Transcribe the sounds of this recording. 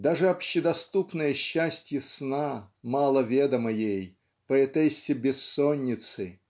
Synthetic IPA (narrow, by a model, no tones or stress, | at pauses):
d̪aʐɨɐpɕɪd̪ɐst̪upnəjəɕːæsʲtʲjəsnamalˠəvʲed̪əmɐjej | pəɛt̪ɛsʲːɪbʲɪsːonʲːɪt̪sɨ